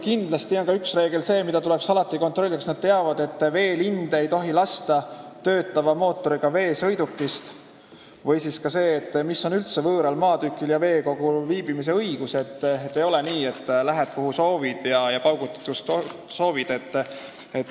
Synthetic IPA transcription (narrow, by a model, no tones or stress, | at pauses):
kind̪̥lɑst̪io̞nkɑyksre̞ːɡe̞lse̞ːmid̪ɑt̪ule̞ksɑlɑt̪ːˑikot̪ro̞lʲːiksnɑd̪̥̚t̪eɑvɑd̪e̞t̪ːˑve̞ːlind̪̥e̞jt̪o̞ɦilɑst̪ɑt̪ø̞ːt̪ːˑɑvɑmo̞ːt̪ːˑo̞ɾiɡ̥ɑve̞ːsɤjd̪ukːist̪ | vɤjsiskɑse̞ːt̪ːmisːo̞nylt̪se̞vɤːɾɑlmɑːd̪ykːˑiljɑve̞ːko̞ɡ̥uviːb̥imis̬e̞ɤjɡ̥use̞t̪ːet̪ːejo̞le̞niːet̪ˑːlæɦet̪̚kuɦuso̞ːvid̪̥jɑjɑpɑwɡ̥ut̪ːˑi̥t̪kust̪ | so̞ːvid̪̥e̞t̪ː | et̪ː